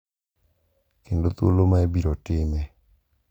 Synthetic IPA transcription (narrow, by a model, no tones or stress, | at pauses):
kendot̪o̰lomaɛbiɾɔtɪmɛ